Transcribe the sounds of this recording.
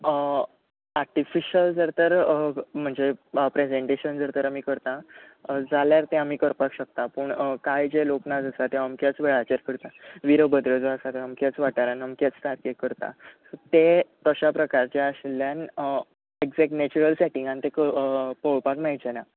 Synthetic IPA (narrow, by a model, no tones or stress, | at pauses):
ə | aɾʈifiɕəld͡zəɾt̪əɾm̤əɳd͡zepɾed͡zẽɳʈeɕənd͡zəɾt̪əɾamiːkəɾt̪ã | d͡zaljaɾt̪ẽamiːkəɾpakɕək̚t̪apəɳkajd͡ʑeloknad͡zəsat̪eəmkjat͡sʋeɭat͡ɕəɾkəɾt̪aʋiɾəbəd̪ɾəd͡zoəsat̪əəmkat͡sʋaʈaɾanəmkat͡st̪aɾkekəɾt̪a̰sət̪et̪əɕapɾəkaɾt͡ɕaəɕljãn | eɡd͡zɛknɛt͡ɕuɾəlsɛʈĩŋɡant̪ekəpoɭpakmajd͡ʑena